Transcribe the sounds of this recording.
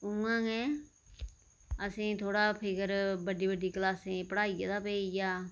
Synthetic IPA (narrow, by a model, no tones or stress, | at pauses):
ʊŋãːŋeː | əsĩːt̪ʰoːɽaːpʰɪkəɾbəɖiːbəɖiːklaːsẽːpəɽaːijḛːd̪aːpeːijaː